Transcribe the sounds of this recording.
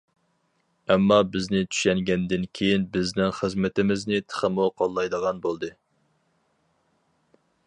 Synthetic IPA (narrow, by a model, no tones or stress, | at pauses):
ɛmːɑbɪznɪt͡ʃ̪ʰy̥ʃɛŋɡʲɛnd̪ɪnkʲʰejinbɪznɪŋχəzmɪt̪ɪmɪznɪt̪ʰə̥χəmuqʰɑlˠːɑjd̪əʁɑnbolˠd̪ɨ